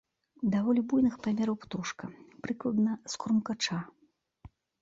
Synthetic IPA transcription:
d̪avɔlʲibujnɨxpamʲɛɾɐwpt̪uʂkɐpɾɨklˠɐd̪nɐskɾumkat͡ʂa

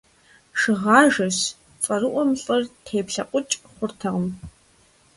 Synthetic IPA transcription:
ʂɨʁɑːʒɐɕ | fʼɐrɨʔʷɔmɕʼɐrtʰeːpɬɐqʷʼʊt͡ʃʼχʷʊrtʰɐʁəm

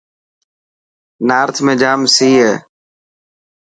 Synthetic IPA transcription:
naːɾt̪ʰmẽːd͡ʒaːmsiːɦeː

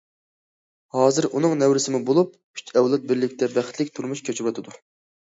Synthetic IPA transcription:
hɑːzɨɾʔunɨŋnɛwɾɪsɪmubolˠup̚ | y̥t͡ʃɛwlˠɛt̪̚bɪɾlɪkʲt̪ʰɛbæχt̪lɪk̚ʲt̪ʰuɾmuʃkʲʰøt͡ʃʰɪwɑt̪ʰɨd̪u

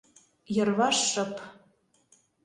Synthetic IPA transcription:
jɤ̆rβɑʃːɤ̆p

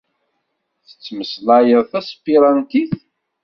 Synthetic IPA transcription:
θə̥t͡sːməslæjəðˤθæspːiɾˤɑnt̪iθ

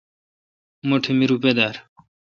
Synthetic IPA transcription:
moʈʰimiɾuped̪aɾ

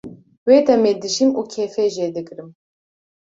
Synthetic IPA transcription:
weːt̪ɛmed̪ɨʃimuːkʰefɛʒed̪ɨkɨɾɨm

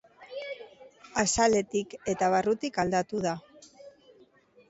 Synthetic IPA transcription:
asale̞t̪ike̞t̪aβarut̪ikald̪at̪uða

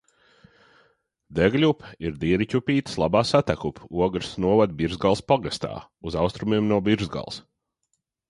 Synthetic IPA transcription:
d̪ɛɡlʲupiɾd̪iɛɾicʲupʲiːt̪slˠabaːsat̪ækupʰuɔɡɾsnuɔvad̪bʲiɾzɡalˠspaɡast̪a̰ː | uzawst̪ɾumiɛmnuɔbʲiɾzɡa̰lˠs

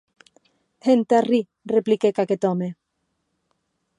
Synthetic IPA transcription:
hent̪ari | replikekaket̪ɔme

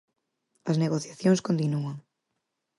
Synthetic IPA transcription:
ɐzneɣoθjaθjõŋskõnt̪inuaŋ

